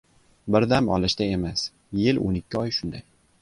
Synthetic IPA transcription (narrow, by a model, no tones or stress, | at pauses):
bɪɾd̪amɒ̰lˠɪʃt̪ae̞mas | jɪlʔo̰nɪkʲʰːɪɒjʃʊnd̪aj